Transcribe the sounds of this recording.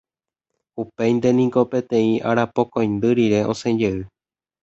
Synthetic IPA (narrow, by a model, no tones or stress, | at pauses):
upejnd̪e̞nĩŋko̞pẽ̞t̪ẽ̞ĩʔaɾapokõj̃nd̪ɨɾiɾe̞ʔõ̞̰sẽ̞d͡ʒeɨ